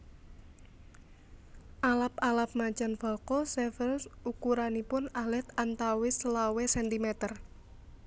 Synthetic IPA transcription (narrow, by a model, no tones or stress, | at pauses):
ʔalapalap̚mat͡ʃanfɔkɔsɛfərsukuɾanipʊnalɛt̪ant̪awɪslawesɛnt̪imɛt̪ər